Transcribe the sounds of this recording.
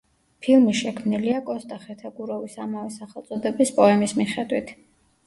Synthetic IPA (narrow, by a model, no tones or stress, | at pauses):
pʰilˠmiʃɛkʰmniliakʼɔst̪ʼaχɛt̪ʰaɡuɾɔvisamavɛsaχɛlt̪sʼɔd̪ɛbispʼɔɛmismiχɛd̪wit̪ʰ